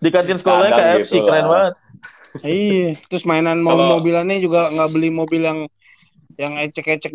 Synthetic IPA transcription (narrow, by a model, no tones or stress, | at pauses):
dikant̪ɪnsəkolaɲakaɛsikəɾanbaət̪̚iat̪ɾʊsmaɛnanmomobilanad͡ʒuɡaŋɡabəlɪhmobɪljaŋ | jaŋɛt͡ʃɛkɛt͡ʃɛk̚